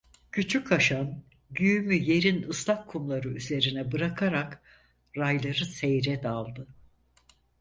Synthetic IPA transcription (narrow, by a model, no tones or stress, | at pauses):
cʰyt͡ʃʰykʰaʃan | ɟyjymyje̞ɾinɯslˠakʰːumlˠaɾɯyze̞ɾinɛbɯɾakʰaɾak | ɾajlˠaɾɯsejɾɛd̪alˠd̪ɯ